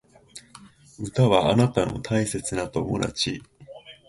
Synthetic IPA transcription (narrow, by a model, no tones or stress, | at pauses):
ɯ̟t̪aβaːnat̪ano̞̰t̪ʰaise̞t͡sɨnat̪o̞mo̞̰d̪a̰t͡ɕi